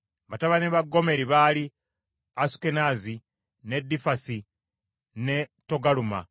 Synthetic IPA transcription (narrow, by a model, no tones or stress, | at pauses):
βataβaneβaɡːo̞me̞ɾiβali | asu̥kenazi | ne̞dːifasi | ne̞to̞ɡaluma̰